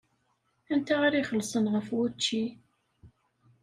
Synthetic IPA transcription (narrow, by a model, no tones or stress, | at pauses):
ænt̪aaɾiχəlsənʁəfwæt͡ʃːi